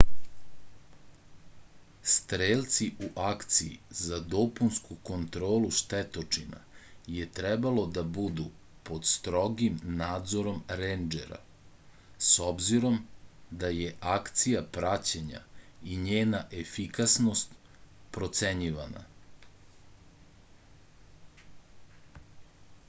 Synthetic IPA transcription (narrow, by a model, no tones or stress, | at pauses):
st̪ɾeːlt̪siʔuʔakt̪sijḭzad̪o̞punskuko̞nt̪ɾo̞ːluʃt̪et̪o̞t͡ʂina̰jet̪ɾɛbalˠo̞d̪abud̪u | po̞d̪st̪ɾo̞ɡimnaːd̪zo̞ɾo̞mɾend͡ʒḛɾa̰ | so̞bziɾo̞md̪ajeʔakt̪sijapɾat͡ɕeɲa̰iɲeːnaʔefikasnost̪ | pɾo̞t̪seɲiʋana̰